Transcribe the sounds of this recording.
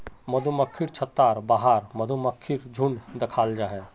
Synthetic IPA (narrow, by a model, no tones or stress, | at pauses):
mɐd̪ʱuməkʰːiɾt͡ʃʰət̪ːaːɾbaːɦaːɾmɐd̪ʱuməkʰːiɾd͡ʒʱuɳd̪ɐkʰaːld͡ʒaːɦɛ